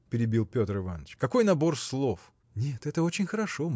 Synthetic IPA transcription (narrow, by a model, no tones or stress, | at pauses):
pʲɪɾʲɪbʲilˠpʲo̞t̪ɾɨvanət͡ɕkɐko̞jnɐbo̞rslˠof | nʲet̪ɛt̪əo̞t͡ɕɪnʲxəɾɐʂo̞m